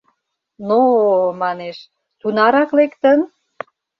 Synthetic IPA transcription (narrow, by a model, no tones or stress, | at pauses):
nomɑneʃ | t̪unɑɾɑklekt̪ən